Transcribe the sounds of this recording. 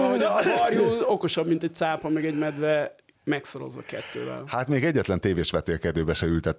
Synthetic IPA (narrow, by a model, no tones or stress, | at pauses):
obɒrjuno̞ko̞ʃɒbmint̪ɛc̚t̪saːpɒmɛɡɛɟmɛd̪ʋɛ | mɛksoɾo̞̰zʋɒ̰kɛ̰t̪ːø̰ːvɛ̰lhaːt̪meːɡɛɟːɛt̪lɛnt̪eːveːʃʋɛt̪eːkɛd̪øːbɛʃɛylt̪ɛt̪ː